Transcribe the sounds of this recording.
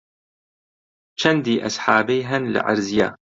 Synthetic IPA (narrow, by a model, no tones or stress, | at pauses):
t͡ʃand̪iːʔa̰sħaːbijɦanlɪ̰ʕa̰ɾzjaː